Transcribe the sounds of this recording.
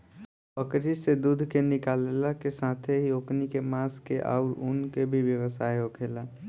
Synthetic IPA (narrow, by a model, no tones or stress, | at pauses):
əkɾised̪uːd̪ʱkenɪkaːlelakesaːt̪ʰeɦioːknikemaːskeʔa̰ʊɾʊnkebʱiʋjəwəsaːeokʰeːlaː